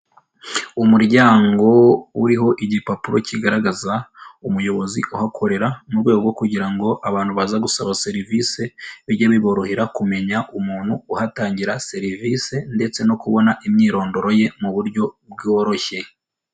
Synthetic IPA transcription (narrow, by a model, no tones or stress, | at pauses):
umuɾɟaːŋɡo̞wuɾiɦo̞ʔiɟipapuɾo̞̰ciɡaɾaɡazaumujo̞βo̞zḭʔuhakʰo̞ɾe̞ɾamuɾɡwe̞ːɡoɡokuɟiɾaŋɡo̞ʔaβaːn̥huβazaɡusaβase̞ɾivise̞βiɾɟaβiβo̞ɾo̞heɾakume̞ɲaʔumuːn̥huːhataːɲɟiɾase̞ɾivise̞nde̞t͡se̞no̞kuβo̞naʔimɲiːɾo̞ːndo̞ɾo̞je̞muβuɾɟo̞bɡoɾo̞çe̞